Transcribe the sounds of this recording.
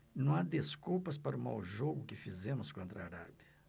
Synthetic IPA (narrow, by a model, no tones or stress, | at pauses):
nɐ̃w̃ad̪eskuwpɐspaɾʊma̰wʒoɡʊkɪfizẽmʊskõnt̪ɾɐa̰ɾa̰bjɐ